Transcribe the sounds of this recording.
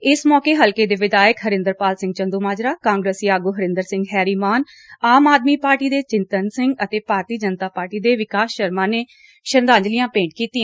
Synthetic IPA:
ɪsmɔːkeːɦəlkeːd̪eːʋɪd̪aːjəkɦəɾɪ̃nd̪əɾpaːlsɪ̃ŋɡ̚t͡ʃə̃nd̪uːmaːd͡ʒɾaːkãːŋɡɾeːsiaːɡuːɦəɾɪ̃nd̪əɾsɪ̃ŋɡɦɛːɾiːmaːn | aːmaːd̪miːpaːɾʈiːd̪eːt͡ʃɪnt̪ənsɪ̃ŋɡət̪eːpaːɾt̪iːd͡ʒənt̪aːpaːɾʈiːd̪eːʋɪkaːsʃəɾmãːneː | ʃənd̪ãːɲd͡ʒlɪjãːpẽːɳʈ̚kiːt̪iːɛ̃

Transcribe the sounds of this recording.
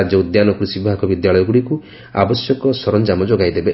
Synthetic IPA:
d͡ʒɔud̪janɔkuɾisibibʱakʰɔbid̪jaɭɔjɔɡuɽiku | a̰bɔsjɔkɔsɔɾɔnd͡ʒamɔd͡ʒoɡajd̪ebe

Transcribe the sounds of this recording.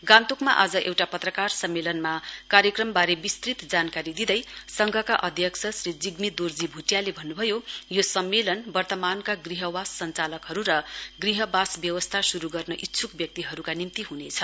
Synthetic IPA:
ɡãnt̪ukmaʔad͡zʌʔewʈapʌt̪rʌkarsʌmːelʌnmakaɾjʌkrʌmbaɾebist̪rit̪d͡zankaɾid̪id̪ʌjsʌŋɡʱʌkaʔʌd̪ʱjʌksʰʌsrid͡ziɡmid̪ord͡zibʱuʈjalebʱʌnːubʱʌjojosʌmːelʌnbʌrt̪ʌmankaɡriɦʌwasːʌnt͡salʌkɦʌɾuɾʌɡriɦʌbasbjʌwʌst̪ʰasuɾuɡʌrnʌʔit̪ːsʰukbjʌk̚t̪iɦʌɾukanimt̪iɦunet͡sʰʌ

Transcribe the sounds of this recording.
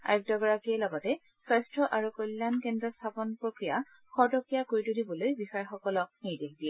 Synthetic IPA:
a̰juk̚tɔɡɔɹakiɛlɔɡɔtɛ | sajstɹɔʔaɹukojlːankɛndɹɔstʰapɔnpɹokɹija | xɔɹdɔkɹijakoɹitudibɔlojbixɔjɛxɔkɔlɔk̚nijdekdiɛ

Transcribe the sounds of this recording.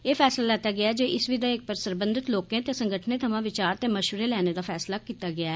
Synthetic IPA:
eːpʰɛːslaːlɛːt̪aːɡɪaːɛːd͡ʒeːʔɪsʋiːd̪aːɪk̚pəɾsəɾbənd̪ɪt̪loːkẽːt̪eːsəŋɡəʈʰnẽːt̪ʰəmãːʋɪt͡ʃaːɾt̪eːməʃʋəɾeːlɛːneːd̪aːpʰɛːslaːkiːt̪aːɡɪaːɛː

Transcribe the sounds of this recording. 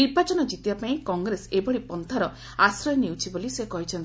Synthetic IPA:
niɾbat͡ʃɔnɔd͡ʒit̪ibapaĩkɔŋɡɾesebɔɽipɔnt̪ʰaɾɔ | asɾɔjɔniwt͡ʃʰibolisekɔɦit͡ʃʰɔnt̪i

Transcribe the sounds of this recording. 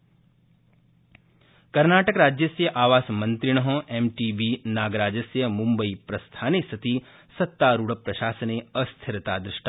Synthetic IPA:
kɐɾnaːʈəkɾaːd͡ʒjɐsjɐʔaːʋaːsmɐ̃nt̪ɾɪɽ̃ɐɦõʔeːmʈiːbiːnaːɡɾaːd͡ʒɐsjɐmũmbəipɾɐst̪ʰaːnesɐt̪i | sɐt̪ːaːɾuɽɐpɾɐʃaːsəneɐst̪ʰɪɾt̪aːd̪ɾɪʃʈa

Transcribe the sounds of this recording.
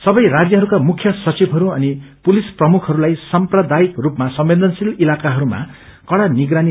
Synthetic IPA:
sʌbʌjrad͡zjʌɦʌɾukamukʰːjʌsʌt͡sibʱɦʌɾuʌnipulisprʌmukʰʌɾulajsʌmprʌd̪aikrupmasʌmbend̪ʌnsililakaɦʌɾuma̰ | kʌɽaniɡɾani

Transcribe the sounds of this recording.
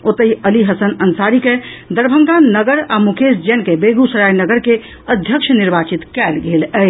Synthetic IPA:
ot̪əiəliɦəsənənsaɾiked̪əɾbʱəŋɡannəɡəɾamukʰesd͡ʒɛnkebeɡusəɾajnəɡəɾke | əd̪ʱjəkʃʰəniɾbat͡ʃit̪kɛlɡeləj

